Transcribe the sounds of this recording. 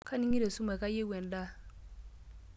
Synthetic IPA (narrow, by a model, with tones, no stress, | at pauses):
kʰa˦ni˦ŋi˦ɾe˨su˦ma˨ka˦je˦wɛ˨nda˦